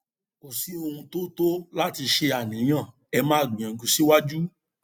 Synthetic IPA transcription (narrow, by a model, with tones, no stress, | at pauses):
ko˨si˨˦o˧hũ˧to˦to˦la˦ti˧ʃe˧a˨nĩ˨˦j̃ã˦˨ | ɛ˧mã˦˨ɡ͡bĩ˨ã˨˦ɡũ˧si˦wa˦d͡ʒu˦